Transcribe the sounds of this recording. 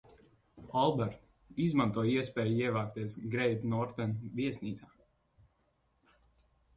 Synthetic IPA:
ɔlˠbɛɾt̪ | izmãnt̪uɔjiɛspɛːjiɛvaːkt̪iɛsɡɾɛjd̪nɔɾt̪ɛnviɛsniːt̪saː

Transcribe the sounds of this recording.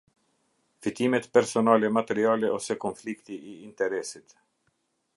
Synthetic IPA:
fit̪imɛt̪pɛɾsɔnalɛmat̪ɛɾialɛʔɔsɛkɔnflikt̪iʔiːnt̪ɛɾɛsit̪

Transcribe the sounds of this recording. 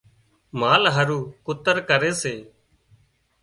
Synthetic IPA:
maːlɦəɾuːkʊt̪əɾkəɾeːseː

